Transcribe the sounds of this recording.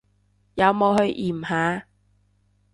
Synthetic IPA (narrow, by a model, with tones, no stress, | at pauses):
jɐ˨˧wmo˨˧whɵ˧ɥʔiː˨˩mhaː˨˥